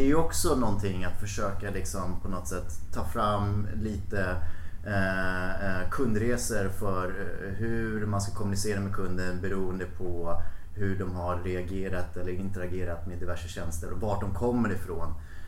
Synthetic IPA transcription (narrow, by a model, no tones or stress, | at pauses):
ɛæjɵɔksɔnɔnt̪ʰɪŋːat̪fœʂøːkalɪksɔmpʰɔnɔt̪ːsɛt̪ʰːɑːfɾamːliːt̪ə | kʰɵnd̪ɾeːsəɾfœɾ | ɦɵɾmanskakʰɔmːɵnɪseːɾameːkʰɵnd̪ənbɛɾuːənd̪əpʰɔ | hɵɖɔmhaɾːɛaɡeːɾat̪ɛlːəɾɪnt̪əɾaɡeːɾat̪meːd̪ɪvæʂəɕɛnst̪əɾɔvaʈ̚ɖɔmkʰɔmːəɾɪfɾoːn